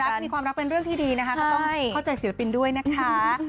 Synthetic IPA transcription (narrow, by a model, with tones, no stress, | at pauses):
ɾa˦˥ka˥˩miː˧kʰwaː˧mɾa˦˥k̚pe˧nɾɯ˥˩əŋt̪ʰiː˥˩diː˧na˦˥kʰa˦˥kɔ˥t̪ɔ˥ŋjʰa˥˩wt͡ɕa˧jsi˨˩la˦˥pi˧ndu˥˩əjna˦˥kʰa˦˥